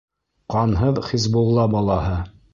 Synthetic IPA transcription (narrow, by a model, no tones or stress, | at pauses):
qɑnɦɤðχizbulˠːɑbɑlˠɑhɤ